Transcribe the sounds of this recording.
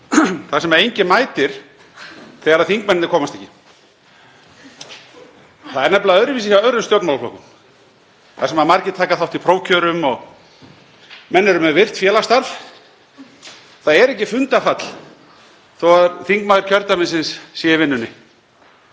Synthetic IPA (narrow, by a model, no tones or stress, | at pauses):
θasɛmaejɲcɪmaːjt̪ɪɾ̥ | θɛɣaɾaðθiŋkmɛnnɪkʰɔːmast̪ɛhcːɪ | θaðɛɾnɛplaœðɾɪviːsɪçawœɾʏmst̪jɔwt̪nmalaflo̰wkʏm | θasɛmamaɾcɪt̪ʰaːkaθawht̪ɪipʰɾoːwcʰœɾʏmɔɣ | mɛnːɪɾʏmɛvɪr̥t̪fjɛːlast̪aɾf | θaðɛɾɛhcɪfʏnt̪afat̪l̥ | θowaðɾθiŋkmaːðɪɾ̥cʰœɾt̪amɪnsɪnsːjɛvɪnːʏnːɪ